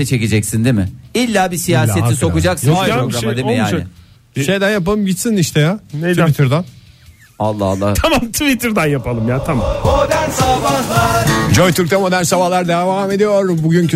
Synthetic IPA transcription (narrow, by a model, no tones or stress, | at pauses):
ɛt͡ʃʰe̞ced͡ʒɛcsind̪imɪilʲːaːbisijaːset̪ʰiso̞kud͡ʒaksɾɾoɡɾaad̪imɪjaːnɪ | ʃe̞jd̪ænjap̬alˠɯmɟit̪siniʃt̪ʰɛjait̪ʰiɾd̪an | alˠːa̰alˠːa̰tʰamamt̪ʰvit̪ʰiɾd̪anjapʰalˠɯmjaːt̪ʰamamod̪ænabalˠad͡ʒojt̪ʰyɾk̚t̪ʰɛmo̞d̪æɾnsabalˠaɾd̪evaːme̞d̪ijo̞ɾbuɟyncʰ